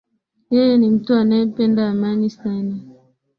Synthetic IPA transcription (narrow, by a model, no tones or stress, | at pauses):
jɛjɛnim̩tuanaɛpɛndaːmaɲisana